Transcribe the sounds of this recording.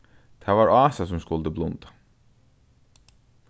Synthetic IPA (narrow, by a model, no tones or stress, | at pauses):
t̪ʰaːvaɹaːsas̬ʊmskʊlt̪əblʊnt̪ḁ